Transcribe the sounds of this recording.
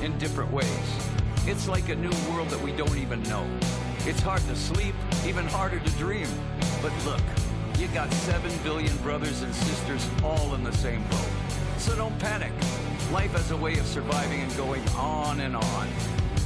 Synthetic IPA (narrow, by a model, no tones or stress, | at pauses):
ɨ̃ndɪfɹɨ̃nʔweɪz̥ | ɨtslaɪkɨnuwɜ˞lˠd̪̚ðəʔ̚widõʊ̃ntivɨ̃nːoʊ | ɨtshɑɹd̚tɨslipivɨ̃nhɑɹɾə˞ɾɨdɹĩm | b̥ʌtˡlʊk | jɨvɡɑtsɛvɨ̃nbɪlˠjɨ̃nbɹʌðə˞zɨ̃nsɪstə˞zɔlˠə̃nðɨsẽɪ̃mbʊ̰k | tsənõʊpʰænɪk | laɪfɨzəweɪʌv̥sə˞vaɪvɪ̃ŋɨ̃nɡoʊɪ̃ŋə̃nɨ̃nə̃n